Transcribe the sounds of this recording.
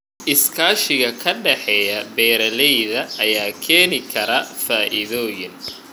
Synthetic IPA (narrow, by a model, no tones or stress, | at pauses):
ʔɪskʰaːʃɪɣɐkʰɐɖɛħɛːjɐbɛːɾɐlɛjðɐːjaːkʰɛːnɪkʰɐɾɐfaːʔɪðɔːjɪn